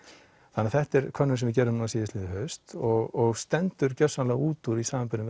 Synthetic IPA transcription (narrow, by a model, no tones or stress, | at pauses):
θanɪaθɛht̪ɛɾkʰœnːʏsɛmvɪcɛːɾðʏmnuasiːðɪst̪lɪːðɪɦœɥst̪ɔɣɔɣst̪ɛnt̪ʏɾcœsalauːt̪uɾisaːmampɪnʏm